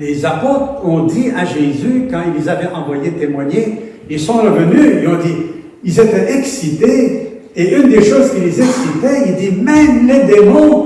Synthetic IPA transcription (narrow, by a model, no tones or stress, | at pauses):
lezapot̪χɔ̃d̪iaʒezykɑ̃ilezavɛʔɑ̃vwajet̪emwaɲe | ilsɔ̃ʁəvənyilɔ̃d̪i | ilzefɛʔɛksit̪e | eynd̪eʃozkʲilezɛksit̪ɛild̪imɛmled̪emɔ̃